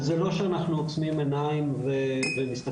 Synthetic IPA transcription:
zelo̞ʃeanaχnuot͡smimenaimvevemist̪a

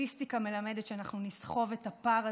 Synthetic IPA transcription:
istikame̞lame̞detʃeanaχnunisχo̞vetapaʁa

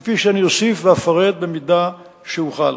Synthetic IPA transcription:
fiʃeanijosifveafaʁe̞d̪̚bemid̪a | ʃeuχal

